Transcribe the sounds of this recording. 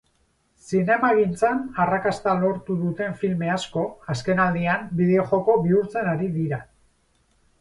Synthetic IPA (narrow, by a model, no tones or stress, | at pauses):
sine̞maɣint͡sanarakast̪alo̞ɾt̪uðut̪e̞ɱfilme̞asko̞aske̞nald̪iambiðeoʝo̞ko̞βiuɾt͡se̞naɾiðiɾa